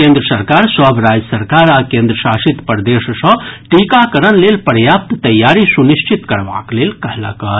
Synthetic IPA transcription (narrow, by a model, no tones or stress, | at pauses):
kẽnd̪ɾəsəɾkaɾswabʱɾad͡ʒəsəɾkaːɾakẽnd̪ɾəʃasit̪pəɾd̪essə̃ʈikakəɾənlelpəɾjaːp̚t̪t̪ɐjːaːɾisuniʃt͡ʃit̪kəɾʋa̰klelkəɦla̰ɡət̪